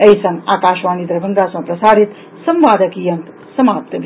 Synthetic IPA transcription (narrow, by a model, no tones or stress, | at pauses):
əisɐŋɡaːkaːʃʋaːnid̪ɾɐbʱɐnd̪aːsmɐ̃pɾɐsaːɾit̪ | sɐmʋaːd̪əkijɐŋk̪ | sɐmaːp̚t̪bʱ